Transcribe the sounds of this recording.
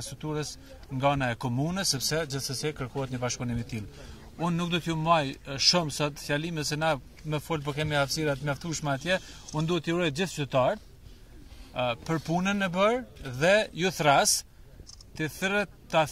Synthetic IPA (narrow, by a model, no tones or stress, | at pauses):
st̪ɾuk̚t̪uɾəs | ŋɡaanaɛkɔmunəsːɛpsɛd͡ʑəθsəsɛkəɾkɔhɛt̪̬ɲəbaʃpunimit̪il | unːuk̚d̪ɔt̪jumajʃumsɔt̪fjalimɛsɛna | mɛfɔlp̬ɔkɛmiaafsiɾat̪mjaft̪uʃmaat̪jɛund̪uhɛt̪iuɾɔjt̪̚d͡ʑiθt͡ʃyɾt̪aɾt̪̚ | pəɾpunənɛbəɾðɛjuθɾas | t̪iθɾɛt̪t̪ːa